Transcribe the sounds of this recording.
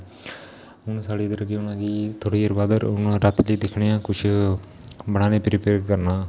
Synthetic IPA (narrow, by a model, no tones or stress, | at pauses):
ʊnsaːɽiːd̪əɾəɡionãːɡiːt̪ʰoːɽiːəɾbaːd̪əɾʊnɾat̪ləːd̪ɪkʰɳeːãːkʊt͡ʃʰ | bəɽ̃aːnẽːpɾɪpeːɾkəɾnaː